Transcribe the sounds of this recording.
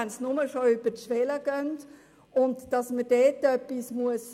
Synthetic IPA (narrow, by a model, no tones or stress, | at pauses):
ɛnsnʊməʃoyb̥ətʃʋɛləɡ̥œnt | ʊntd̥ɑsməd̥ɛːtːœpːismuəs